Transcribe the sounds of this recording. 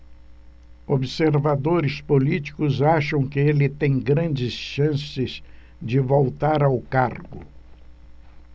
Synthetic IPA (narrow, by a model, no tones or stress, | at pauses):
obɪseɾvad̪oɾɪspolit͡ʃi̥kʊzaʃɐ̃w̃kɪelɪt̪ẽj̃ɡɾɐ̃nd͡ʒɪsʃɐ̃sɪz | d͡ʒɪvowt̪aɾawkaɾɡʊ̰